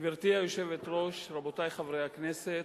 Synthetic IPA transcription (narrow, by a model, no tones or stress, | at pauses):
viʁt̪iajoʃe̞vet̪ʁo̞ʃɾabotajχavɾejhakneset̪